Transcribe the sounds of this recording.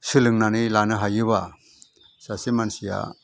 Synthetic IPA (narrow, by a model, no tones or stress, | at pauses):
sɯlɯŋnanɯlanɯɦajɯβa | sasimansija̰